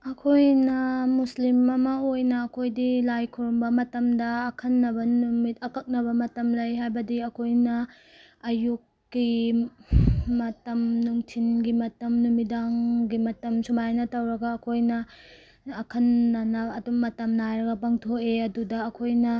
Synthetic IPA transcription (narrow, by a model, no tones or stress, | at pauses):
ɐkʰojnɐmuslimɐmɐojnɐːkʰojdilajkʰuɾumbɐmɐtɐmdɐːkʰɐnːɐbɐnumit̚ɐkɐk̚nɐβɐmɐtɐmlɐjɦajbɐdiɐkʰojnɐ | ɐjukːi | mɐtɐmnuŋtʰinɡimɐtɐmnumidaŋɡimɐtɐmsumajnɐtɐwɾɐɡɐːkʰojnɐː | kʰɐnːɐnɐɐdumɐtɐmnajɾɐɡɐpɐŋtʰoeɐdudɐːkʰojnɐ